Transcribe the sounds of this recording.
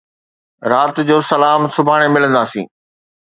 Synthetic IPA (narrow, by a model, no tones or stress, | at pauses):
ɾaːt̪d͡ʑoːsɐlaːmsʊbʱaːɽ̃emɪlə̃nd̪aːsḭ̃ː